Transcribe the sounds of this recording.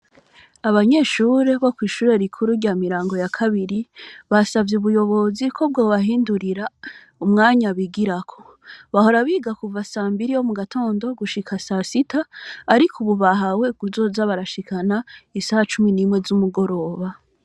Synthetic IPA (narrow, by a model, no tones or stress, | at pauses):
aβaɲe̞ːʃuɾe̞βokwiːʃuːɾe̞ɾikʰuɾuɾɟaːmiɾaːŋɡo̞jakʰaβiɾiβasavjeuβujo̞βo̞zikʰo̞b̚ɡoːβahiːnduɾiɾa | umŋaːɲaβiɡiɾakʰo̞̥ | βaho̞ɾaβiːɡakuvasaːmbiɾijo̞muɡatʰo̞ːndo̞ɡuʃikʰasasitaːɾikʰuβuβaɦawe̞ɡuzo̞ːzaβaɾaʃikʰanaisahat͡ʃuminimŋwe̞zumuɡo̞ɾo̞ːβa